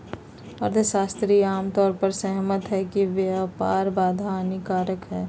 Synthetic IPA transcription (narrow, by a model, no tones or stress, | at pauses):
ɔːɾd̪esaːst̪ɾiaːmt̪ɔːɾpəɾsəɦmət̪ɦɛkiʋjapaːɾbaːd̪ʱaːnɪkaːɾəkɦɛː